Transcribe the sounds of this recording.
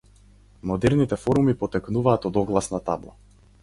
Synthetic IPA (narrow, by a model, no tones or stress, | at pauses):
mɔd̪ɛɾnit̪ɛfɔɾumipɔt̪ɛknuvaːt̪ɔd̪ɔɡlˠasnat̪ablˠa̰